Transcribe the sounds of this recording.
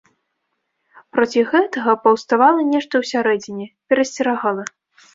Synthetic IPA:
pɾɔt͡sʲiɣɛt̪ɐɣɐpɐwst̪avalˠɐnʲɛʂt̪ɐwsʲaɾɛd͡zʲinʲɛpʲɛɾɐsʲt͡sʲɛɾaɣalˠɐ

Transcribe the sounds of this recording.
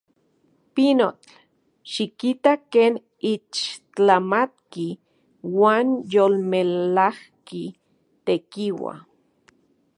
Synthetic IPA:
pinot͡ɬ | ʃikit̪akeːn | it͡ʃt͡ɬamat̪̚ki | waːnjolmelahki | t̪ekiwa̰

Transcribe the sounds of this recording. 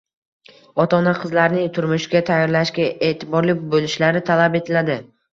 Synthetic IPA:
ɒt̪ʰɒnaqʰɨzlaɾnɪŋt̪ʰʊɾmʊʃɡʲat̪ʰajːɒɾlaʃkʲaʔe̞ːt̪ʰɪbɒɾlɪkʲbolɪʃlaɾɪt̪ʰalabe̞t̪ʰɪlad̪ɪ

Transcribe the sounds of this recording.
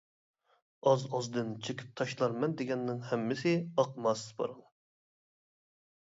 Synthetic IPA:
ɑzɑzd̪ɨnt͡ʃʰekʲi̥p̚t̪ʰɑʃlˠɑɾmɛnd̪ɪɡʲɛnːɪŋhɛmːɪsɪɑqmɑsɨ̥zbɑ̰ɾɨŋ

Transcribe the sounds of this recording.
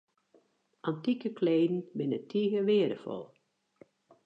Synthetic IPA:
ʔantikəkʰleːdn̩bɪnətʰiɣəʋɪədə̰fɔ̰lˠ

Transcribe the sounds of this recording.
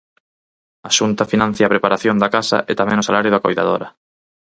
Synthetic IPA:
aʃunt̪ɐfinãn̟θjaːpɾepaɾaθjond̪akasɐ̰ʔet̪amɛ̃ŋʊsalaɾjʊðakojða̰ðo̰ɾɐ

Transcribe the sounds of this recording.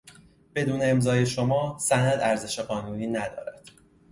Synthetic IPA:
b̥e̞d̪uːne̞ːmzɒːje̞ʃo̞mɒːsænæd̪æɾze̞ʃe̞ɣɒːnuːniːnæd̪ɒ̰ːɾæd̪̥

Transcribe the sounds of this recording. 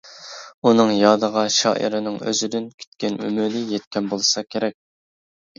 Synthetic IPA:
unɨŋjɑːd̪əʁɑʃɑ̰ːʔḭɾɪnɪŋø̰zyd̪ɪnkʲʰy̥t̪̚kʲɛny̰mynɪjɛt̪̚kʲɛnbolˠsɑkʲʰeɾɛk̚ʲ

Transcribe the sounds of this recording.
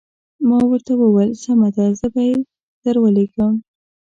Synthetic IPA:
mɑwəɾt̪awəwelsamad̪azəbaj | d̪̥əɾwəleɡəm

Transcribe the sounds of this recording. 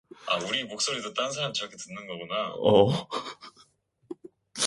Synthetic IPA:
auɾimok̚s͈oɾidɯt͈ans̬ʰaɾamit͡ɕiɾʌkʰetɯnːɯnɡʌɡunaʌ

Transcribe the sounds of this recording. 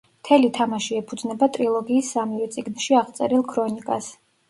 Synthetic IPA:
mt̪ʰɛlit̪ʰamaʃiɛpʰud̪znɛbat̪ʼɾilˠɔɡiːsːamivɛt̪sʼiɡnʃiaʁt̪sʼɛ̰ɾilˠkʰɾɔnikʼas

